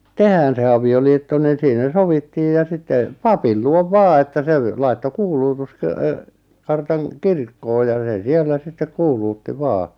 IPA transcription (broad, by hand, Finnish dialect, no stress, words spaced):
tehæːn se ɑʋioliːtːo niːn̞ siːnæ soʋitːiːj jɑ sitːe pɑpil luoʋ ʋɑː etːæ se ʋ lɑitːo kuːluːtus kø ø kɑrtɑŋ kirkːoː jɑ seˑ sielːæ sitːek kuːluːtːi ʋɑː